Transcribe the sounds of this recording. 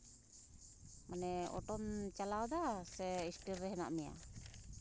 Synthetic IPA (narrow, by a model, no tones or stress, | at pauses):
manɛɔ̰ʈɔnt͡ʃalawd̪asɛisʈiɾːɛɦɛna̰ʔmɛja̰